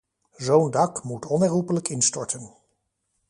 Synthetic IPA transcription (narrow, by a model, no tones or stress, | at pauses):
zowndɑkmutɔnɛrɦupələkɪnstɔɹtən